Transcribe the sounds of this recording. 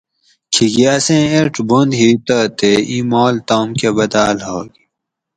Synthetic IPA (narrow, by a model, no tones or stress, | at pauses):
kʰiɡiɐsẽeɾʈbond̪ɦiːt̪ət̪eiːmoːlt̪oːmkebɐd̪aːlɦoːɡi